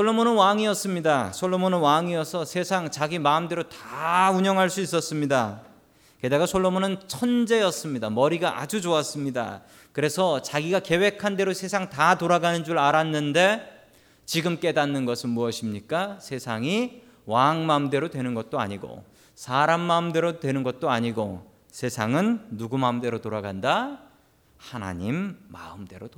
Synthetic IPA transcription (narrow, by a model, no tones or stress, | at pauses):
sʰoɭːomonɯnwaŋiʌs͈ɯmɲidasʰoɭːomonɯnwaŋiʌsʰʌsʰe̞sʰaŋt͡ɕaɡimamde̞ɾotauɲʌŋɦaɭs͈uis͈ʌs͈ɯmɲida | ke̞daɡasʰoɭːomonɯnt͡ɕʰʌnd͡ʑe̞jʌs͈ɯmɲidamʌɾiɡaʔa̰d͡ʑud͡ʑoas͈ɯmɲida̰ | kɯɾe̞sʰʌt͡ɕaɡiɡake̞we̞kʰande̞ɾosʰe̞sʰaŋtatoɾaɡanɯnd͡ʑuɾɭaɾanːɯnde̞ | t͡ɕiɡɯmk͈e̞danːɯnɡʌsʰɯnmuʌɕʰimɲik͈asʰe̞sʰaŋi | waŋmaɯmde̞ɾodwe̞nɯnɡʌt̚t͈oa̰ɲiɡo̰ | sʰaɾamːaɯmde̞ɾotwe̞nɯnɡʌt̚t͈oaɲiɡo | sʰe̞sʰaŋɯnːuɡumaɯmde̞ɾotoɾaɡanda | hana̰ɲimːa̰ɯmde̞ɾot